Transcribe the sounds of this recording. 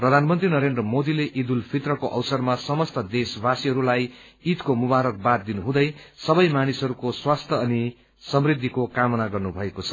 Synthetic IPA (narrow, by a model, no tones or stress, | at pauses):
prʌd̪ʱanmʌnt̪rinʌɾend̪rʌmod̪ileʔid̪ulpʰit̪rʌkoʔʌ̰wsʌrmasʌmʌst̪ʌd̪esbasiɦʌɾulaj | it̪komubaɾʌk̚bat̪̚d̪inuɦũd̪ʌjsʌbʌjmanisʌɾukoswast̪ʰʌːni | sʌmrid̪ʱːikokamʌnaɡʌrnubʱʌekot͡sʰʌ̥